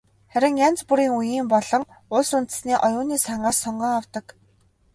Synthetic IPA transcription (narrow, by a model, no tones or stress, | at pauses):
χæɾʲɪ̆ŋjant͡spuɾiːŋujiːmpɔɮɞ̆ŋ | ʊɮsunt̪̆sniːʔɔjʊːniːsaɴɢaːssɔɴɢœːŋawt̪ə̆k